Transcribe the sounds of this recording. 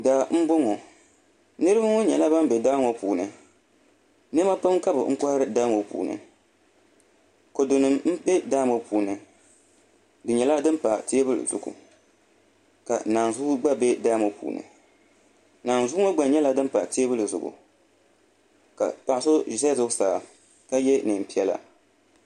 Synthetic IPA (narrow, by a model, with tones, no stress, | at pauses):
daː˨m̩˦bʊ˦ŋo˨ | nɨ˦ɾɨ˦ba˦ŋo˦ɲɛ˨la˦ba˦m˦bɛ˨daː˦ŋo˨puː˨nɨ˨ | nɨ˦ma˦pa˦mka˦bɨ˨ŋ̩˦kɔ˦hɾɨ˦daː˦ŋo˨pṵː˨nɨ̰˨ | ko˨do˨nɨ˨mm̩˦bɛ˦daː˦mo˦puː˨nɨ˨ | dɨ˨ɲɛ˨la˦dɨ˦m˦pa˨ti˦e˦bɨ˦l̰zʊ̰˨ɡʊ̰˨ | ka̰˨naː˨n˨zʊ˦ɡ͡ba˦bɛ˦daː˦mo˨pṵː˨nɨ̰˨ | naː˨n˨zʊ˦ŋo˦ɡ͡ba˨ɲɛ˦la˦dɨ˦m˦pa˨ti˦e˦bɨ˦lɨ˨zʊ̰˨ɡṵ˨ | ka̰˨pa˨ʔso˦ʒi˨sa˦zʊ˦ɡsaː˨ | ka˦jɛ˦nɨ˨m˨pi˦ɛ˦la̰˨